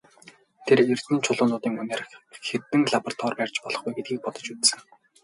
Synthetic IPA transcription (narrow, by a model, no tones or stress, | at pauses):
t̪ʰerer̥t̪ɘ̆nt͡ɕʰʊɮʊːnʊːt̪iːŋɵneːrxet̪ɘ̆ŋɮapɔr̥t̪ʰɔːrpær̥ʲt͡ɕpɔɮɞ̥̆χɡujɡet̪̚ɡiːk̚pɔt̪ɞ̆t͡ɕut̪sɘ̆ŋ